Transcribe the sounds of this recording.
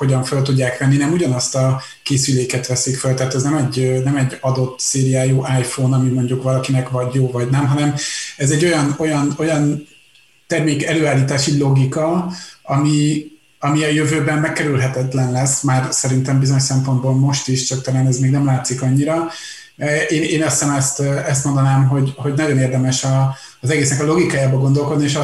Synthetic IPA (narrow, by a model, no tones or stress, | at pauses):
ho̞ɟɒɱfølt̪uɟːaːkʋɛnːinɛmuɟɒnɒst̪ɒ | keːsyleːkɛt̪ʋɛsikfølt̪ɛaːt̪ɛznɛmɛɟnɛmɛɟːɒd̪o̞t̪seːɾijaːjuːʔaːjfoːnɒmimo̞ɲɟukʋɒlɒkinɛkvɒɟjoːvɒɟnɛmɦɒnɛmɛzɛɟːo̞jɒno̞jɒno̞jɒn | t̪ɛrmeːkɛløːaːlːiːt̪aːʃilo̞ɡikɒɒmi | ɒmiɒjøvøːbɛmmɛkːɛɾylɦɛt̪ɛt̪lɛnlɛsːmaːrsɛɾint̪ɛmbizoɲoʃsɛmpo̞nd̪bolmo̞ʃt̪iʃt͡ʃɒk̚t̪ɒlaːnɛzmeːɡnɛmlaːt̪sikɒɲːiɾɒ | ʔeːneːnɒst̪anɛst̪ɛst̪mo̞nd̪ɒnaːmɦo̞ɟho̞ɟnɒɟo̞neːrd̪ɛmɛʃɒː | zɛɡeːsnɛkɒlo̞ɡikaːjaːbɒɡo̞nd̪o̞lko̞d̪nieːʃɒ